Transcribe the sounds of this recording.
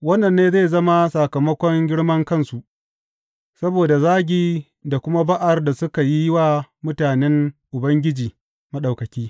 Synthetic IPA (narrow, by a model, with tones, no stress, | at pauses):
wɐ˦nːɐ˨nːeː˦zeː˦˨zɐ˦ma˦sa˨kɐ˨mɐ˦kʷɔ˦ŋɡʲɪ˦ɽmɐ˦ŋkɐ˦˨nsu˨ʔ | sɐ˦boː˨da˨zaː˦ɡʲiː˨ | da˨kʷʊ˦ma˦ba˦ʔa˨rda˨sʊ˦ka˨ji˦jɪ˦waː˦˨mʊ˦taː˨nɛ˦ŋʔʊ˨bɐ˦ŋɡʲɪ˦d͡ʒiː˨ | mɐ˦ɗa˨wkɐ˨kʲiː˦